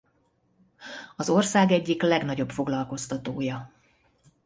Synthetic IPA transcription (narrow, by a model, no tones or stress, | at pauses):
ɒzo̞rsaːɡɛɟːiklɛɡnɒɟo̞pfo̞ɡlɒlko̞st̪ɒt̪oːjɒ